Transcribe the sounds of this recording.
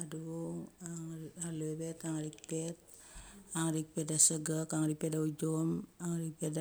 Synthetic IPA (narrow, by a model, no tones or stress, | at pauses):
aduuŋaŋalobet̪aŋɾik̚pet̚ | aŋɾik̚pedasəɡakaŋɾipedaud͡ʒomaŋɾipeda